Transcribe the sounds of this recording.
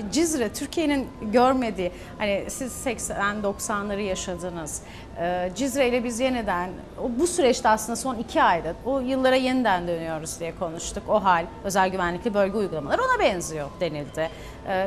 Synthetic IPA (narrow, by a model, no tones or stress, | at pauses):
d͡ʒizɾɛt̪ʰyɾcʰije̞ninɟøɾme̞d̪iː | hanɪsiz̥sɛcsænd̪o̞ksanlˠaɾɯjaʃad̪ɯnɯz̥ | ɯːd͡ʒizɾejlʲɛbizje̞nid̪æn | obusyɾɛt͡ʃt̪ɛaslˠɯnd̪aso̞nicʰiajd̪aojɯlˠːaɾajenid̪ænd̪ø̞nyjo̞ɾuzd̪ijɛkʰo̞nuʃt̪ʰuko̞ɦalʲ | ø̞zælʲɟyvænlːʲiclʲibø̞lʲɡɟɛujɡulˠamalˠaɾɯo̞nabɛnzijo̞d̪e̞nilʲd̪ɪː